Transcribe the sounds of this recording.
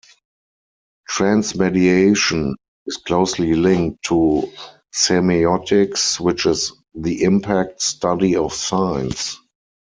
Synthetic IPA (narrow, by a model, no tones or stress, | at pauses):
tɹæ̃nsmɛdieɪʃə̃n | ɪskʰloʊslilɪ̃ŋk̚tʰːu | sɛmiɔtɪkswɪt͡ʃɪz | ðiʔɪ̃mpʰæk̚tstadiɔfsãɪ̃ns